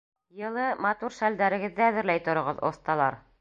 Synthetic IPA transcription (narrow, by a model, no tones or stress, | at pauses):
jɤ̆lˠɤmɑt̪uɾʃæld̪æɾɘ̆ɡɘ̆ðːɘæðɘ̆ɾlæjt̪ŏɾŏʁɤðo̰θt̪ɑlˠɑ̰ɾ